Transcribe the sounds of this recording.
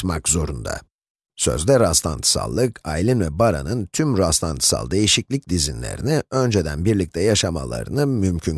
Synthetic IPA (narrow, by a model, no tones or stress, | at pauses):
makzo̞ɾund̪a̰ | sø̞̰zd̪ɛɾast̪ˠa̰nt̪ʰɯ̥sa̰lˠːɯkajilʲinvɛbaɾanɯnt̪ʰymɾast̪ˠant̪ʰɯ̥sa̰lˠd̪e̞jiʃiclʲic̚d̪izinlʲḛɾḭniø̞nd͡ʒɛd̪ænbiɾlʲic̚t̪ʰɛjaʃama̰lˠa̰ɾɯnɯmymcʰyn